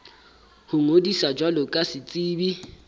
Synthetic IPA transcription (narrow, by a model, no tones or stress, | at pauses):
hʊŋodisad͡ʒwalʊkʼasɪt͡sʼiːbi